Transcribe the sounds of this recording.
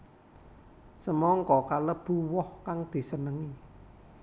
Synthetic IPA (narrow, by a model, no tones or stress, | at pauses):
səmɔŋkɔkaləb̥ṳwɔhkaŋd̪̥i̤sənəŋi